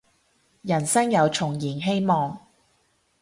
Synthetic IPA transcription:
jɐ˨˩nsɐ˥ŋjɐ˨˧wt͡ʃʰʊ˨˩ŋjiː˨˩nɦe˥jmɔː˨˧ŋ

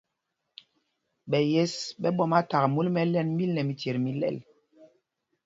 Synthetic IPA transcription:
ɓɛ˨je˦sɓɛ˦ɓɔ˦ma˦ta˨ɣmu˦lmɛ˦lɛ˦nmi˦lnɛ˨mi˨te˨ɾmi˦lɛ̰˦˨l

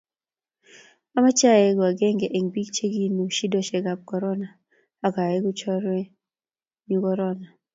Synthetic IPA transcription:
a˦ma˦t͡ʃa˦jɛ˦ɡwa˨ɡɛ˦ŋɡɛ˨ʔe˨ŋbi˦kt͡ʃe˦ɡi˦nu˨ʃi˦dɔ˦ʃɛ˨ɡa˨p̚kɔ˨ɾɔ˦na˨ | a˨ka˨ɛ˦ɡu˦t͡ʃɔ˦ɾwɛ˦ | ɲu˦kɔ˦ɾɔ˦na˨

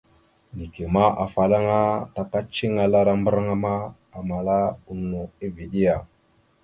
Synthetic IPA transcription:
ni˨ki˨ma˦ʔa˨fa˨la˦ŋa˦ta˨ka˦t͡ʃi˦ŋa˨la˦ɾa˦mbə˦ɾa˦ŋa˦ma˦ | a˨ma˨la˦u˦nu˨i˦vi˨ɗi˦ja˨

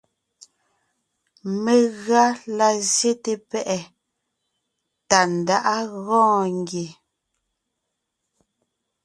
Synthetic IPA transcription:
me˨ɣɰa˦la˦˨zje˦te˨pɛ˦ʔɛ˨ | ta˨n̩˨da˦ʔa˦ɣɔ̃ː˦ŋɡje˨

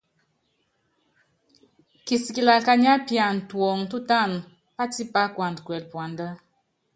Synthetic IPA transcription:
ki˨si˨ki˨la˨ka˦ɲa˦pja˨ntwɔ˨ŋtu˦ta˦˨n | pa˦ti˦pa˦kwa˨ndkwɛ˨lpwa˨nda˦

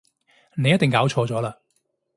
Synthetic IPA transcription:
ne˨˧jɐ˥t̪ːɪ˨ŋkaː˨˥wt͡ʃʰɔː˧t͡sɔː˨˥laː˧

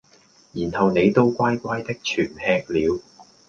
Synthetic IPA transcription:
jiː˨˩nhɐ˨wne˨˧jt̪o˥wkʷaː˥jkʷaː˥jt̪ɪ˥k̚t͡ʃʰyː˨˩nhɛː˧k̚liː˨˧w

